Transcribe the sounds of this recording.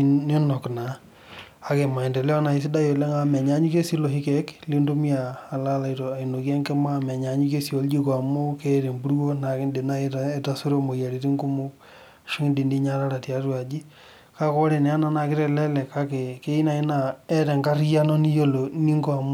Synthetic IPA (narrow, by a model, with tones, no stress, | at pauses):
ni˦nɔ˨kna˨ | a˨ke˨ma˨i˨nde˨lɛ˦ɔ˦na˨i˦s̬i˦da˦jo˨le˦ŋa˦mɛ˨ɲa˦ɲu˦ke˦si˦lo˨ɦi˦kɛ˨˦kli˦ndu˦mi˦aː˨la˦la˨i˨to˨a˨i˨no˨kɛ˦ŋke˦ma˦mɛ˨ɲa˨ɲi˦ke˦si˨o˨˦ld͡ʒi˦kwa˨mo˦ke˦˨ɾe˨mbu˦ɾwo˦na˨kɪ˦nde˨na˦e˦ta˦su˦ɾo˦mo˨ja˨ɾi˨ti˦ŋɡu˦mʊ˦ | ʃu˦ŋ˦di˨ndi˦ɲa˦ɾa˦ɾa˨tja˨˦twa˨d͡ʒi˦ | ka˦kɔ˦ɾe˨nɛ˦a˦na˦na˨kɪ˦ɾɛ˨lɛ˦lɛ˨ka˦ke˨ke˦i˦na˨i˦na˨ɛ˦ɾɛ˨ŋɡa˦rja˦nɔ˦ni˦jo˦lo˨ni˦ŋɡo˦a˨m